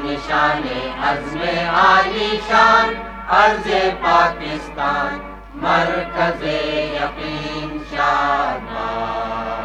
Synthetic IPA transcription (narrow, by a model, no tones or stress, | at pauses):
niʃaːneɐzmeaːliːʃaːn | ɐɾzepaːkɪst̪aːn | mɐɾkɐzejɐqiːnʃaːbaː